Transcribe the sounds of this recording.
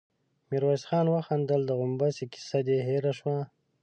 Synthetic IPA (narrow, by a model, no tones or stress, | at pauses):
miɾwasxɑːnwəxand̪əld̪əɣʊmbasiki̥sad̪eɦeɾaʃwa